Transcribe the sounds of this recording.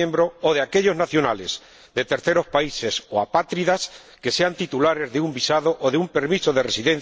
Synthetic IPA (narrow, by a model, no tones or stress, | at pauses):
ẽmbɾoːðeakeʎo̞znaθjonale̞z | ðe̞t̪e̞ɾθe̞ɾo̞spaise̞soapat̪ɾiðas | ke̞se̞ant̪it̪ulaɾe̞zðeumbisaðo̞ʔoðeumpe̞ɾmiso̞ðe̞re̞siðẽ̞n̟